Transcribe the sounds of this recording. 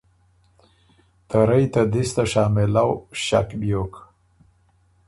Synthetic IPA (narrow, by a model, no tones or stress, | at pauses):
t̪aɾajt̪ad̪ist̪aʃɑːmɪlawʃa̰kbjok